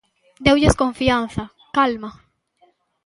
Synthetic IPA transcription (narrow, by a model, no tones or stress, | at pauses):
d̪ewʝeskoɱfianθa | kalma